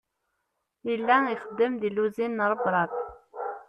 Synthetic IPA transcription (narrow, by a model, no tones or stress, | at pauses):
jəlːæiχəd̪ːəmðiluzinːəɾˤəbɾˤɑt̪̚